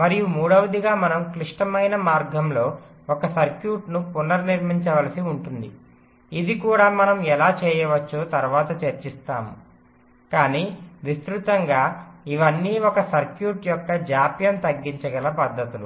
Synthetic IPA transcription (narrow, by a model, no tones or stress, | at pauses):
mɐɾijumuːɽɐʋɐd̪iɡaːmɐnɐmkliʂʈɐmɐjnɐmaːɾɡʱɐmlo̞ː | ɔkɐsɐɾkjuːʈnupunːɐɾniɾm̤iɲt͡ʃɐʋɐlɐsiuɳʈund̪i | id̪ikuːɽaːmɐnɐmɛlaːt͡ʃɛːjɐʋɐt͡ʃːuːt̪ɐɾʋaːt̪ɐt͡ʃɐɾt͡ʃist̪aːmu | kaːniːʋist̪ɾut̪ɐŋɡaːiʋɐnːiːɔkɐsɐɾkjuːʈjɔkːɐd͡ʒaːpjɐnt̪ɐɡːiɲt͡ʃɐɡɐlɐpɐd̪ʱːɐt̪ulu